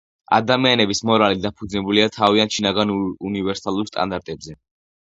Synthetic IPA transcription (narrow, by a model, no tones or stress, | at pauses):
a̰d̪amianɛbismɔɾalid̪apʰud̪znɛbuliat̪ʰaviant̪ʃinaɡanunivɛɾsalˠuɾst̪ʼa̰nd̪aɾt̪ʼɛbzɛ